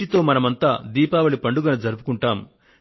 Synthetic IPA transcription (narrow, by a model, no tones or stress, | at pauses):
it̪o̞ːmɐnɐmɐnt̪aːd̪iːpaːʋɐɭipɐɳɖuɡɐnɐd͡ʒɐɾupu̥kuɳʈaːm